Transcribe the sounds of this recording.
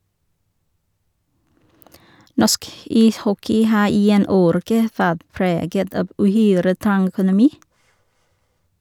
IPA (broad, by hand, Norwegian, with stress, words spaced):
ˈnɔsk ˈiːsˌhɔkɪ ˈhɑː ˈiː ˈeːn ˈoːɾɛkə ˈʋæʁt ˈpɾeːɡət ˈɑb ʔʉˈhyːɾə ˈtɑŋ œkʊnʊˈmiː